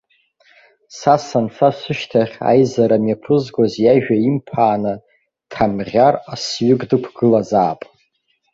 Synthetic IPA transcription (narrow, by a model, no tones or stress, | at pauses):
sasanfʰasʷɨʃtʰaχʲa̰jzaɾamjapʰɨzɡʷazjaʒᶣaimpʰaːnɨ | tʰamʁʲarasɥʏɡʼdɨkʷʰɡ̥ɨlazaːpʼ